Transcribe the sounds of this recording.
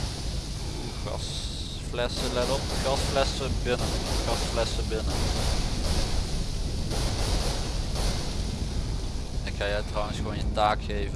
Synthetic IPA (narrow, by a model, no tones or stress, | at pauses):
u | χɑ̰s | flɛsəlɛdɔpχɑsflɛsəbɪnəχɑsflɛsəbɪnə | ɪkxajɛɥtrɔwənsχʋoːnjətaːkxejvə